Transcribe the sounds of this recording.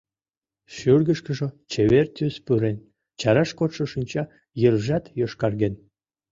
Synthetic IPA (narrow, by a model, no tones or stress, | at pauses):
ʃyrɣəʃkə̆ʒot͡ɕeβert̪ʲyspyɾen | t͡ɕɑɾɑʃkot̪ʃə̆ʃinʲt͡ɕɑ | jərʒɑt̪joʃkɑrɣen